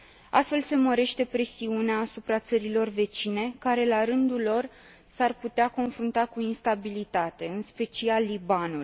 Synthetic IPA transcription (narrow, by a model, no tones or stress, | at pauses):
a̰st̪fe̞lse̞məɾe̞ʃt̪e̞pɾe̞siuneaːsupɾat̪səɾilo̞rve̞t͡ʃine̞kaɾe̞laɾɨnd̪ulo̞r | sarput̪eako̞nfɾunt̪akuinst̪abilit̪at̪e̞ɨnspe̞t͡ʃialːibanul